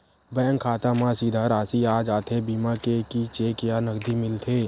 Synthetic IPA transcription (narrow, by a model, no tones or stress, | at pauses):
bɛ̃ːŋkʰaːt̪ãmãsid̪ʱaɾaːsiaːd͡ʒaːt̪ʰebiːmakekit͡ʃeːkjanəɡd̪imɪlt̪ʰeː